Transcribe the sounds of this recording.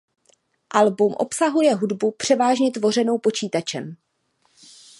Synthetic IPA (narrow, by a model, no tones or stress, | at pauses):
ʔalbumʔo̞̰psaɦujɛɦudbupr̝̥ɛvaːʒɲɛt̪vo̞r̝ɛno̞wpo̞t͡ʃiːt̪at͡ʃɛm